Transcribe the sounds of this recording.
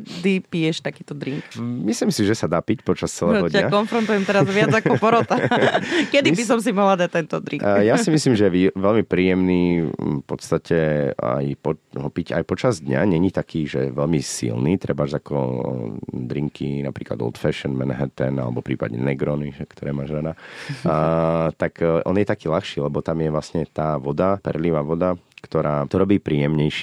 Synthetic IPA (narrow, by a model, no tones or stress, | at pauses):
t̪ipijɛʃt̪akiːt̪ɔd̪ɾiŋkmisliːmsiʒɛsad̪aːpicpɔt͡ʃast͡sɛlɛːɦɔd̪aɲakɔnfɾɔnt̪ujɛmt̪ɛɾazʋɪad͡zakɔpɔɾɔt̪akɛd̪ibis̬ɔms̬imɔɦlad̪ac̚t̪ɛnt̪ɔd̪ɾiŋŋjasimisliːmʒɛɛʋiʋɛʎmipɾiːjɛmniːfpɔt̪st̪acɛa̰jpɔɦɔpica̰jpɔt͡ʃazd̪ɲa̰ɲɛɲit̪akiːʒɛ̰ʋɛlmisḭlniːt̪ɾɛbaʒzakɔ | d̪ɾiŋkʰina̰pɾiːkla̰d̪ɔ̰lt̪fɛʃɔnmɛnɦɛt̪ɛna̰lɛ̰bɔpɾiːpa̰d̪ɲɛ̰nɛɡɾɔniʒɛkt̪ɔɾɛːmaːʒɾad̪aː | t̪akʔɔ̰njɛt̪akiːlaxʃiːlɛbɔt̪amjɛʋlasɲɛt̪aːʋɔd̪apɛ̰ɾliʋaʋɔd̪akt̪ɔɾaːt̪ɔɾɔbiːpɾiːjɛmɲɛjʃ